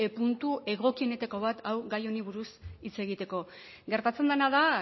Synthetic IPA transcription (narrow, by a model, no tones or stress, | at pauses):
epunt̪uʔe̞ɣ̞o̞kie̞ne̞t̪ako̞β̞at̪ʰawɣajo̞niβ̞uɾusit͡se̞ɣ̞it̪e̞ko̞ | ɡe̞ɾt̪at͡se̞nd̪enaða